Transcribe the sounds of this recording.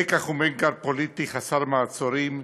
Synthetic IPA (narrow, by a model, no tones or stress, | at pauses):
ekaχumenɡaɾpolit̪iχasaɾmaːt͡soɾim